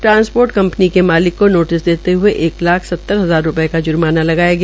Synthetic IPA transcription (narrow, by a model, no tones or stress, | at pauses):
ʈɾãːnspoːɾʈkɐ̃mpnikemaːlɪkːonoːʈɪsd̪eːt̪eɦʊeʔeːklaːkʰsɐt̪ːəɾɦɐzaːɾːʊpəekad͡ʒʊɾmaːnalɐɡaːjaɡɛa